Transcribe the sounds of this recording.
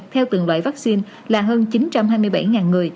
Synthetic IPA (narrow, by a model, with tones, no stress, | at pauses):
t̪ʰɛ˧wt̪ɨ̰˨˩ŋlwa̰ː˧˨jvaː˦˥k̚si˧n | laː˨˩ɦəː˧nt͡ɕi˨˦nt͡ɕa˧mɦaː˧jmɨ˧əjɓa˧˩jŋaː˨˩nŋɨ˨˩əj